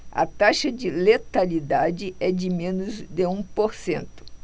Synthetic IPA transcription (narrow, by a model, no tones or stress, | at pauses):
ɐ̰t̪aʃɐd͡ʒɪlet̪alid̪ad͡ʒɪɛd͡ʒɪmẽnʊzd̪ɪũpoɾsẽnt̪ʊ̥